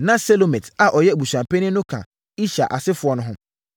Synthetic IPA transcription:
nã˦se˦lo˨mẽ˨tʰa˨ʔɔ˨jɛ˦˨bu˨ɕã˨mpʰe˦nɪ̃˦nʊ̃˦kʰã̰˨ | i˦ɕa̰˨ʔa˨sɪ˦fʊ˨ɔ˦nʊ̃˦ɦʊ̃˦m

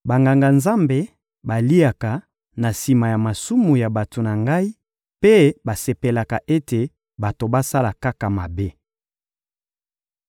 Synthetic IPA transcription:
ba˨ŋɡa˨ŋɡa˨nza˦mbe˨ | ba˨li˦a˨ka˨ | na˨si˨ma˨ja˨ma˨su˦mu˨ja˨ba˨to˨na˨ŋɡa˦i˦ | pe˦ba˨se˨pe˨la˨ka˨ʔe˦te˨ | ba˨to˨ba˦sa˦la˨ka˦ka˨ma˨be˦

